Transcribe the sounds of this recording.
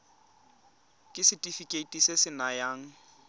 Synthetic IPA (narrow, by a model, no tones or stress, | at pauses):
kʼɪsɪtʼifikʼetʼisɪsɪnajaːŋ̩